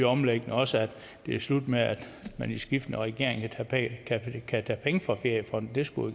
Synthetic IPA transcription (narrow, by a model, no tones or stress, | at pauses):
ɒ̽mleɡ̥ənəɒ̽səæd̥ | d̥e̝æslud̥meæd̥ | mænisɡ̥ifd̥n̩ɒʁɛɡ̥e̝ɐ̰e̝ŋkʰækʰækʰæt͡sʰæːpʰeŋəfɒfe̝ɐ̰jəfʁɒ̽n̥d̥e̝sɡ̥u